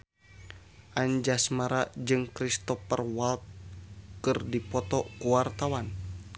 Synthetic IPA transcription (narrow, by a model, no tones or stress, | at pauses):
ʔaɲd͡ʒasmaɾad͡ʒɨŋkɾist̪ɔpərwalt̪̚kɨrdipɔt̪ɔkuwart̪awan